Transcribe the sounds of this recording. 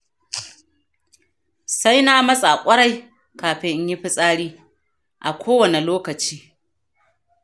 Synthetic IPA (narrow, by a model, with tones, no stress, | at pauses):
sa˦jna˦mɐ˦sʼa˨kʷʼɐ˦ɽa˦j | kaː˨ɸɪ˦ʔɲji˦ɸɪ˦sʼaː˦ɽiː˦ | ʔa˨kʷʰoː˦wɐ˨ne˨loː˦kɐ˨t͡ʃiː˦